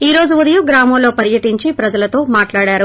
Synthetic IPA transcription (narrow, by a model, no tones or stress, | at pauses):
iːɾo̞ːd͡ʒuʋɐd̪ɐjuɡɾaːmɐmlo̞ːpɐɾjɐʈiɲt͡ʃipɾɐd͡ʒɐlɐt̪o̞ːmaːʈlaːɽaːɾu